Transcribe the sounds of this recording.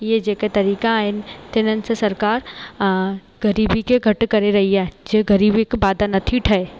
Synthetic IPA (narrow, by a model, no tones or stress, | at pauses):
jed͡ʒeket̪ɐɾiːkaent̪ɪnənsesɐɾkaːɾ | ɡɐɾiːbikeɡʱɐʈkɐɾeɾɐɦiɦɛːd͡ʒeɡɐɾiːbikbaːd̪anɐt̪ʰiʈʰɐe